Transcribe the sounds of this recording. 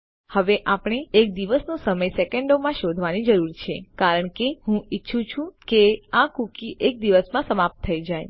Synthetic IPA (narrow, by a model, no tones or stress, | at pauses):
həʋeʔapɽ̃eːk̚d̪iʋəsnũsəməjsekeɳɖomãʃod̪ʱʋanid͡ʒəɾuɾt͡ʃʰekaɾəɳkeɦũitːʃʰũt͡ʃʰũkeakukiʔek̚d̪iʋəsmãsəmap̚t̪ʰːəid͡ʒaj